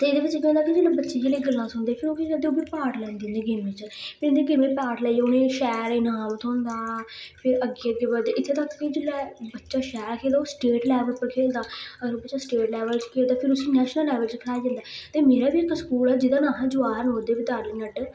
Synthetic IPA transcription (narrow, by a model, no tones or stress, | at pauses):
t̪eːɪd̪eːbɪt͡ʃːkɛ̃ʊ̃nd̪aːkid͡ʒeːlaːbətːʃeːd͡ʒeːleːɡəlːãːsʊnd̪eːpʰɪɾoːkikəd̪eːoːbiːpaːʈlɛ̃ːnd̪iːnd̪eːɡɪmːẽt͡ʃpɪɾɪnd̪eɡɪmẽːpaːʈlɛioːnẽːʃɛːɾenaːmt̪ʰõːnd̪aːpʰɪɾəɡːeːəɡeːbəd̪eːʔɪt̪ʰːeːt̪akːkid͡ʒeːlɛːbətːʃaːʃɛːɾkʰeːld̪aːoːsʈeːʈlɛːʋəlpːəkʰeːld̪aːəəɾoːbətːʃaːsʈeːʈlɛːʋəlt͡ʃkʰeːld̪aːpʰɪɾʊsĩːnɛːʃnəlːɛːʋəlt͡ʃkʰəɾaːjd͡ʒãnd̪aːt̪eːmeːɾaːbiːɪkskuːlɛːd͡ʒɪd̪aːnãːɦãːd͡ʒʊaːəɾnoːd̪eːbid̪aːɾinəɖ